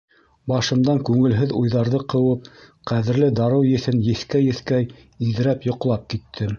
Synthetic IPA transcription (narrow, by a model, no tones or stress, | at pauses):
bɑʃɤ̆md̪ɑŋkʉŋɘ̆lɦɘðujðɑɾðɤqɤ̆wɤp̚qæðɘ̆ɾlɘd̪ɑɾɤwjɘ̆θɘnjɘ̆θkæjɘ̆θkæj | iðɘ̆ɾæpjŏqlˠɑp̚kit̪ʰːɘ